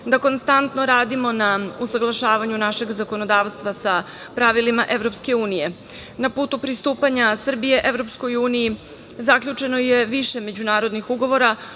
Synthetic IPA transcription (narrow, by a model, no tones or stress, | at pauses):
d̪ako̞nst̪ant̪no̞ɾaːd̪imo̞nausaɡlˠaʃaːʋaɲunaʃe̞ɡzako̞nod̪aːʋst̪ʋasa | pɾaʋilimaʔe̞ʋɾo̞pske̞uːnije̞ | napuːt̪upɾist̪uːpaɲasr̩bije̞ʔeʋɾo̞psko̞juːniji | zakʎʲut͡ʂe̞no̞je̞ʋiʃe̞me̞d͡ʑunaːɾo̞d̪nixuɡo̞ʋo̞ɾa